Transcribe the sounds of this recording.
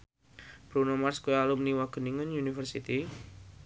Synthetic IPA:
b̥ɾunomarskojalumniwaɡ̥əniŋənunifərsit̪i

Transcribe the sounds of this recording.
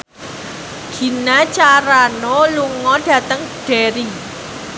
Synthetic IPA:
ɡ̥i̤nat͡ʃaɾanoluŋɔɖ̥ä̤t̪əŋɖ̥eɾi

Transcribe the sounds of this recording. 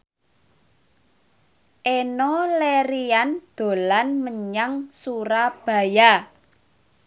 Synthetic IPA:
ʔenoleɾiand̪̥o̤lanməɲaŋsuɾab̥a̤ja

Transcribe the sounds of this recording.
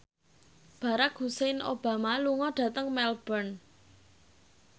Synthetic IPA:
b̥ä̤ɾakɦuseno̰b̥a̤maluŋɔɖ̥ä̤t̪əŋmɛlb̥ən

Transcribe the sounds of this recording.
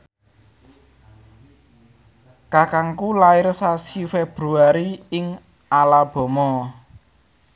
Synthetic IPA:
kakaŋkulaɪrsasifeb̥ɾuaɾiɪŋ | alab̥ɔ̤mɔ

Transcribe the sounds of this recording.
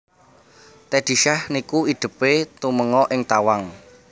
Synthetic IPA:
t̪ɛd̪̥i̤ʃahnikuid̪̥ə̤pet̪uməŋɔʔɪŋt̪awaŋ

